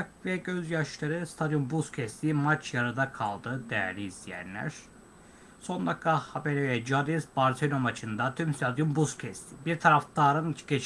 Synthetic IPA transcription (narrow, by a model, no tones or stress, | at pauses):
kvɛɟø̞zjaʃlˠaɾɯst̪ʰad̪jonbuscʰɛst̪ʰimat͡ʃʰjaɾɯd̪akʰalˠd̪ɯd̪ɛjæ̰ɾlʲiːzd̪ijæ̰nlʲæ̰ɾ̥ | so̞nd̪ˠakahabeɾevɛd͡ʒad̪izbaɾseno̞mat͡ʃʰɯnd̪at̪ʰymst̪ʰad̪jonbuscʰɛst̪ʰibiɾt̪ʰaɾaft̪ʰaɾɯnɟet͡ʃ